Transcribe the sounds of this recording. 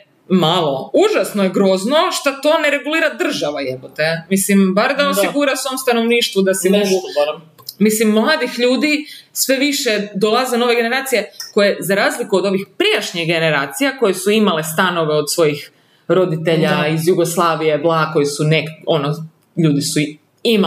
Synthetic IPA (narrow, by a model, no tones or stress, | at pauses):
malˠo̞uʒasnojeɡɾo̞ːzno̞ʃt̪at̪o̞ne̞ɾe̞ɡuliːɾad̪r̩ʒaʋajepot̪ejamislimbaɾd̪aosiɡuɾasomst̪ano̞ʋniːʃt̪ʋud̪asɛmoɡu | mislimːlˠaːd̪ixʎuːd̪isʋe̞ʋiʃed̪o̞lˠazeno̞ʋe̞ɡe̞neɾaːt̪sije̞ko̞jezaɾaːzlikuod̪o̞ʋixpɾijaʃɲiɣɡe̞ne̞ɾaːt̪sijako̞jesuimale̞st̪ano̞ʋe̞o̞d̪sʋo̞jix | ɾo̞d̪it̪e̞ʎaizjuɡoslˠaːʋijeblˠaːko̞jesuneko̞no | ʎuːd̪isu | ima